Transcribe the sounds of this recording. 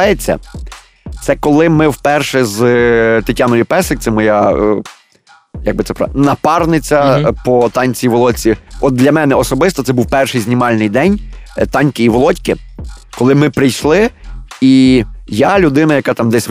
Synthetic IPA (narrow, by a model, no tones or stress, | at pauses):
jet͡sʲːɐ̰ | t̪sɛkɔlˠɪmɪwpɛrʃɛzt̪ɪtʲanɔjipɛsɪkt̪sɛmɔja | jɐɡ̚bɪt̪sɛpɾ̰nɐpɑrnɪt͡sʲːɐpɔt̪ɑnʲt͡sʲiiʋɔlˠɔt͡sʲiɔt̪̚d̪lʲɐmɛnɛɔsɔbɪst̪ɔt̪sɛbuwpɛrʃɪjzʲnʲimɑlʲnɪjd̪ɛnʲt̪ɑnʲkɪiʋɔlˠɔtʲkɪkɔlˠɪmɪpɾɪjʃlˠɪijalʲʊd̪ɪnɐjɐkɑt̪ɑmd̪ɛsʲ